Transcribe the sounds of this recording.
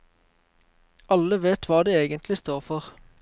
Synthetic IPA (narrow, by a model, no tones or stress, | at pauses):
ɑləʋeːt̪ʰʋɑːd̪eːeːɡənt̪ʰlɪst̪oːʁfɔʁ